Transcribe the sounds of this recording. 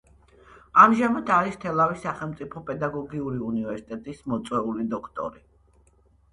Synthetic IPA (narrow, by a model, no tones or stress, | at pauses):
amʒamat̪ʰaɾist̪ʰɛlˠavisaχɛlˠmt̪sʼipʰɔpʼɛd̪aɡɔɡiuɾiunivɛɾsi̥t̪ʼɛt̪ʼismɔt̪sʼwɛulid̪ɔkʰt̪ʼɔ̰ɾi